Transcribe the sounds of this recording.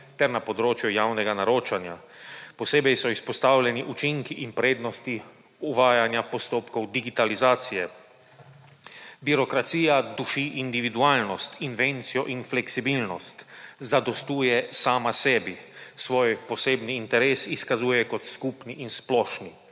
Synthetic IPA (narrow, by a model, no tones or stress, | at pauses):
t̪ɛɾnapɔd̪ɾoːt͡ʃjujawnɛɡanaɾoːt͡ʃanja̰ | pɔseːbɛjsɔispɔst̪aːwlʲɛniʔut͡ʃiŋkiʔinpɾeːd̪nɔst̪i | uʋaːjanjapɔst̪oːpkɔwd̪iɡit̪alizaːt̪sijɛ | biɾɔkɾat̪siːjad̪uʃiʔind̪iʋid̪uaːlnɔst̪inʋent̪sijɔʔinflɛksibilnɔst̪zad̪ɔst̪uːjɛsaːmasɛːbisʋoːjpɔseːbniːnt̪ɛɾeːsiskazuːjɛkɔt̪skuːpniʔinsplɔːʃni